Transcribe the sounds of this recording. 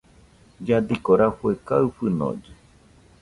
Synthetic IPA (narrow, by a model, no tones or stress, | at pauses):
d͡ʒad̪ikoɾafuekaɨɸɨno̰d͡ʒe